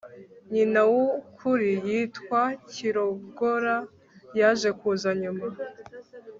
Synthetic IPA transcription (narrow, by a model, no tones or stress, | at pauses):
ɲinawukʰuɾijiːtkwaciɾo̞bɡo̞ɾa | jaʒe̞kuːzaɲuma